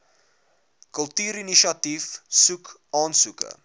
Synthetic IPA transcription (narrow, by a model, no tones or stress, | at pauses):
kəlˠtyːɾiniʃiɐtifsukʔɑːnsukə̰